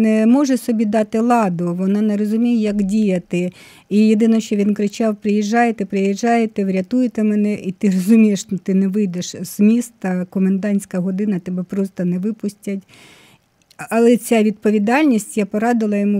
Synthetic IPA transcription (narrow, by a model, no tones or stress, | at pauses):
nɛmɔʒɛsɔbʲid̪ɑt̪ɪlˠɑd̪ʊʋɔnɑneɾɔzʊmʲijjɐkdʲijɐt̪ɪ | ijed̪ɪnɔʃt͡ʃɔʋʲinkɾɪt͡ʃɑwpɾɪjiʒːɑjet̪ɛpɾɪjiʒːɑjet̪ɛʋɾʲɐt̪ujɪt̪ɛmɛnɛʔit̪ɪrɔzʊmʲijeʃt̪ɔt̪ɪnɛʋɪjd̪eʃz̥mʲist̪ɐkɔmend̪ɑnʲsʲkɐɦɔd̪ɪnɐt̪ɛbɛpɾɔst̪ɐnɛʋɪpʊsʲtʲɐtʲ | ɐlˠɛt͡sʲaʋʲid̪̚pɔʋʲid̪ɑlʲnʲisʲtʲjapɔɾɑd̪ɪlˠɐjɔmu